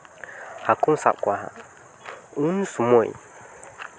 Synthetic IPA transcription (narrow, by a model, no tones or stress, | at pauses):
hakumsa̰kʷaha̰ | unsumoj̰